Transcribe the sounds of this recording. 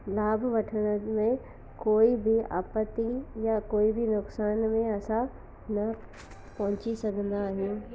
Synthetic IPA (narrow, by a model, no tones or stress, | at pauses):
laːbʱʋɐʈʰəɽ̃əmẽ | koːibɪa̰ːpət̪ijakoːibɪnʊksaːnmẽɐsã | nɐ | pɐɦʊ̃t͡ɕisɐɡʱə̃nd̪aːɦijũ